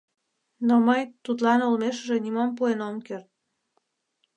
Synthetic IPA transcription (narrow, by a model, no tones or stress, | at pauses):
noməjt̪ut̪lɑnulmeʃəʒĕnimompuenomkert̪̚